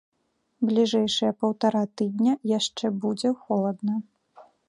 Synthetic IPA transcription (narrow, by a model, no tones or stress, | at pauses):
blʲiʐɛjʂɐjɐpɐwt̪aɾat̪ɨd̪ʲnʲɐjaʂt͡ʂɛbud͡zʲɛxɔlˠɐd̪nɐ